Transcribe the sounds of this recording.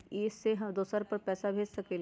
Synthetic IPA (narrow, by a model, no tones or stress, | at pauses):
ɪseɦɐd̪oːsəɾpɐɾpɛːsabʱeːd͡ʒsɐkeːl